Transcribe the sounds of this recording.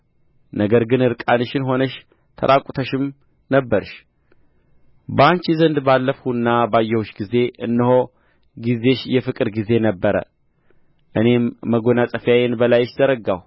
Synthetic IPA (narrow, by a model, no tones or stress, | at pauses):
nəɡəɾɡɨnɨɾkʼanɨʃɪnɦo̞nəʃ | t̪ʰə̰ɾʔakʼut̪ʰəʃɪm | nəbːəɾʃ | bəant͡ʃizənd̪balːəfuɨnːabajːɛhuʃɡize̞ɨnːɨho̞ | ɡize̞ʃjɛfɨkʼɨɾɡize̞nəbːəɾə̰ | ʔɨne̞mːəɡo̞nasʼəfjajenbəlajɪʃzəɾəɡaw